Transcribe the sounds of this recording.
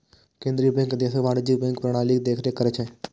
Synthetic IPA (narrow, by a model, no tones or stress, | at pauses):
kẽːnd̪ɾiːbɛ̃ŋkd̪eːseʋaːɽd͡ʒibɛ̃ŋkpɾəɽ̃aːlikd̪eːkʰɾekəɾet͡ʃʰɛ̃ː